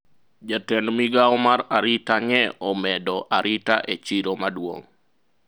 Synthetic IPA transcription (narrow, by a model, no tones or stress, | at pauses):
d͡ʒatɛnmiɡaɔmaɾaɾitaŋɛɔmɛdɔʔaɾʔitaʔet͡ʃiɾomadwo̰ŋ